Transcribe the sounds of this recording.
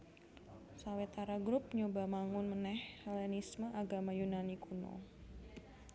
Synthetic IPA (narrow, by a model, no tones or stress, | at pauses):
sawɛt̪aɾaɡɾup̚ɲobamaŋʊnmənɛhɛlɛnisməʔaɡamajunanikuno̰